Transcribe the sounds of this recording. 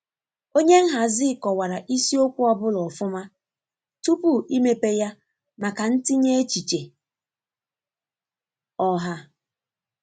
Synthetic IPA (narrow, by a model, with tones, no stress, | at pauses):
o˦ɲe˦ŋ̩˦ɦa˨zɪ˦˨kɔ˨wa˨ɾa˨ʔi˦si˦o˦kʷu˦ɔ˦bʊ˦lɔ˨fʊ˦ma˦ | tu˦pu˦i˦me˦pe˦ja˦ | ma˨ka˨n̩˦ti˦ɲe˦e˦t͡ʃi˨t͡ʃe˨ | ɔ˦ɦa˦